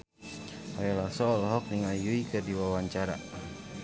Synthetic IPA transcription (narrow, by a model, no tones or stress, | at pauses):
aɛlasɔːlɦɔk̚niŋajuikərdiwawaɲt͡ʃaɾa̰